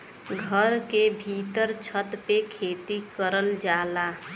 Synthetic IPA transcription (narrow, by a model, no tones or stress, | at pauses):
ɡʱəɾkebʱiːt̪əɾt͡ʃʰət̪pekʰeːt̪ikəɾəld͡ʒaːlaː